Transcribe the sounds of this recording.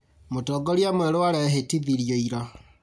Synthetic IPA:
motɔɡɔɾjamwɛɾowaɾɛɦetiðiɾjoiɾa

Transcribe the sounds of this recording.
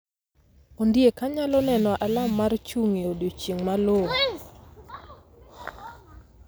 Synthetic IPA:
ondiekaɲalɔnɛnɔʔalamːart͡ʃuŋeodot͡ʃeŋmaloŋ

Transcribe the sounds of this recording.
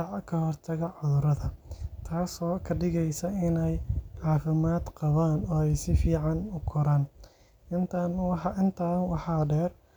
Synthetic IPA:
ʕkʰɐhɔrt̪ʰɐɣɐʕʊðʊɾɐðɐt̪ʰaːsɔːkʰɐɖɪɣɛjsɐɪnɛjʕɑːfɪmaːd̪qɑβaːnɔːɛjsɪfiːʕɑnʊkʰɔɾaːn | ɪnt̪ʰaːnwɑħɑʔɪnt̪ʰaːnwɑħɑːɖɛːr

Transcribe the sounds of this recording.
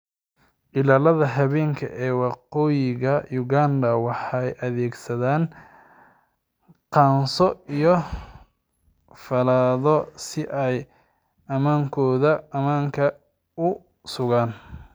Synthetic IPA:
ʔɪlaːlɐðɐɦɐβɛːŋkʰɐʔɛːwɑqɔːjɪɣɐjʊɣaːnd̪ɐwɑħɑjʔɐðɛːɡsɐðaːn | qɑːnsɔijɔ | fɐlaːðɔsɪʔɛj | ʔɐmaːŋkʰɔːðɐɐmaːŋkʰɐ | ʊ | sʊɣaːn

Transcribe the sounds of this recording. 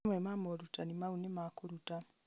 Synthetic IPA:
mwemamoɾutanimaunemakoɾuta

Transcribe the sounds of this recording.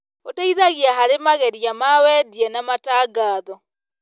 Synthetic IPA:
otaiðaɣiaɦaɾemaɣɛɾiamawɛdiɛnamataːɡaːðɔ

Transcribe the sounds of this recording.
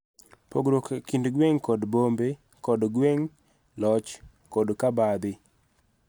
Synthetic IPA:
poɡɾokakindɡweŋkɔdbombe | kɔdɡweŋ | lɔt͡ʃ | kɔdkabad̪ɪ

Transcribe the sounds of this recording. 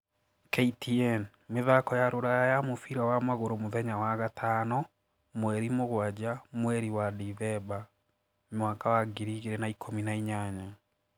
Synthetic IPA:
kɛitʰiɛn | meðakɔjaɾoɾajajamofiɾawamwaɣoɾomoðɛɲawaɣatʰanɔ | mwɛɾimoɣwad͡ʑamwɛɾiwadiðɛba | mwaːkawaɡiɾiɣeɾɛnaikʰominaiɲaɲa

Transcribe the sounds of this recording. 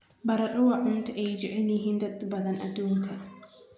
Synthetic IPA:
bɐɾɐɗɔwaʕʊnt̪ʔɛjd͡ʒɪʕɛlɪɦɪnd̪ɐd̪bɐd̪ɐnʔad̪uːŋkʰɐ

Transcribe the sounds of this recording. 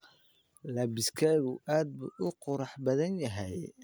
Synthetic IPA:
lɐbɪskʰaːɣuʔaːd̪̚bṵːʔʊqʊɾɑħbɐðɐnjɐɦɛj

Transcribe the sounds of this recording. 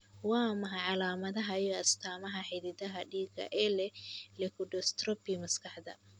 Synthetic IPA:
wɑːmɐɦɐʕɑlaːmɐðɐɦɐijɔɐst̪ʰaːmɐɦɐħɪðɪðɐɦɐɖiːɡɐ̰ʔɛlɛlɛkʰʊɖɔst̪rɔbimɐskʰɐħd̪ɐ̰

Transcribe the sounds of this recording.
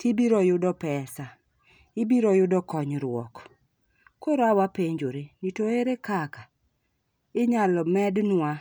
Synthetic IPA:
tibiɾɔjʊdɔpɛsa | ɪbiɾɔjʊdɔkɔɲɾwɔ̰k | koɾoawapeɲd͡ʒoɾenitoeɾekaka | ɪɲalɔmɛdnwa

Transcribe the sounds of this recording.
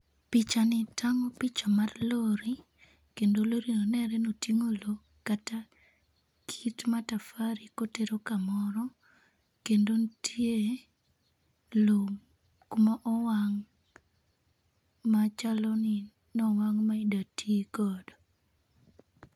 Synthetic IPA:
pit͡ʃanɪtaŋɔpit͡ʃamarloɾi | kendoloɾinɔnɛɾɛnotiŋolo | kata | kʰitmatafaɾikoteɾokamɔɾɔ | kendontʰje | lo | kumaʔɔwaŋ | mat͡ʃalɔnɪ | nɔwaŋmaidatʰiɡɔdo

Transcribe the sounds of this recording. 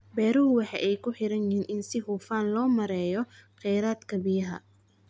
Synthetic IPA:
bɛːɾʊhʊwɑħɑ̰ːʔɛjkʰʊħɪɾɐnjinʔɪnsɪhuːfaːnlɔːmɐɾɛːjɔqɛjɾaːd̪kʰɐbɪjɐɦɐ̰

